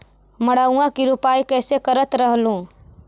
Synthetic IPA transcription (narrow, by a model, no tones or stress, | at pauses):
məɽaːuãkiɾupaːikɛːsekəɾət̪ɾəɦlũ